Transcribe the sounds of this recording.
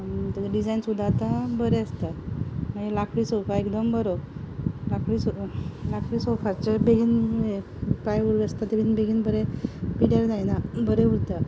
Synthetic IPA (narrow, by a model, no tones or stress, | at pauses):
t̪ɖid͡zajnsud̪ʱːaːt̪abəɾeəst̪aməelakʰɽisɔkaekd̪əmbəɾo | lakʰɽislakʰɾiːsɔfaɾt͡ɕebeɡiːne | pajuɾʋəst̪at̪ebinbeɡiːnbəɾepiɽjaɾd̪ajnabəɾeuɽt̪a